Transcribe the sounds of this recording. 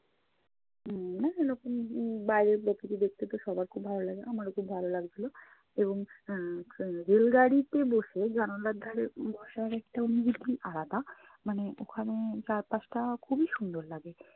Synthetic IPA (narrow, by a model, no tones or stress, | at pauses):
naenɔkunbajɾepɾɔkit̪id̪ek̚ʰt̪et̪ɔʃɔbaɾkʰuːbbʱalolaɡeamaɽekʰuːbbʱalolaɡd͡ʒilɔ | ebɔŋ | ɾelɡaɽit̪eboʃeɡʱanɔlad̪ʱaɾebʱɔʃaɾekʈaoniɡid̪ʱiʔaɾat̪a | maneokʰanet͡ɕaɾpat͡sʈakʰubiʃund̪ʱɔɾlaɡe